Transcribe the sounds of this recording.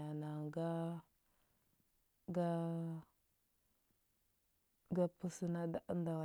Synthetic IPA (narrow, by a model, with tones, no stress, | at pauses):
a˨na˨ŋɡa˦ | ɡa˦ | ɡa˦pə˦sə˨na˦da˦ʔə˦nda˨w